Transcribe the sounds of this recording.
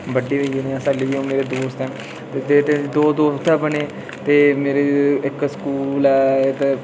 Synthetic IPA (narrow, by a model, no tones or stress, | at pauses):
bəɖiːʋəeneasaliʋiːõːmeːɾeːd̪oːst̪ɛ̃ː | t̪eːd͡ʒeːt̪eid̪oːd̪oːst̪ʰɛːbəɳeː | t̪eːmeːɾeɪkskuːlɛːt̪e